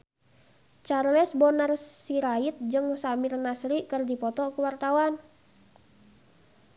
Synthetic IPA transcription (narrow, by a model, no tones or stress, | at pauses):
t͡ʃarlɛsbɔnarsiɾait̪̚d͡ʒɨŋsamɪrnasɾikɨrdipɔt̪ɔkuwart̪awan